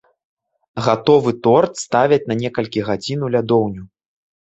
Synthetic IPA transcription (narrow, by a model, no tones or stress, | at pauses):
ɣat̪ɔvɨt̪ɔrt̪st̪avʲɛt͡sʲnɐnʲɛkɐlʲkʲiɣad͡zʲinulʲad̪ɔwnʲu